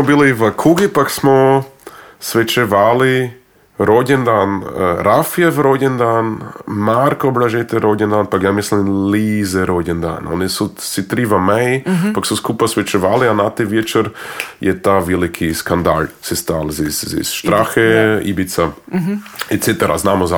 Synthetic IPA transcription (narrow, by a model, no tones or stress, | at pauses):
mobiliʋəkʰuɡipaksmo | sʋɛt͡ʃɛʋali | ɾoɟɛnd̪anɾafiɛvɾoɟʲɛnd̪anmaɾkoblaʒɛt̪ɛɾoɟʲɛnd̪aːnpakjamislimlizɛɾoɟɛnd̪a̰no̰nisusit̪ɾivamɛjpaksuskupasʋɛt͡ʃɛʋalianat̪ɛʋjɛt͡ʃɛɾjɛt̪aʋɛlikʰiskand̪a̰ʎsɛst̪aːlzisḭsʃt̪ɾaxeibit̪sa | ɛt̪set̪ɛɾa̰znaːmoza